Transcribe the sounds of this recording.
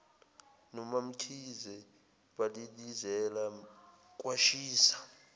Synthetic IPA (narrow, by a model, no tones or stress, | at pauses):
nɔmam̩tʰizɛ | ɓalilizɛla | k̬ʼwaʃiːsḁ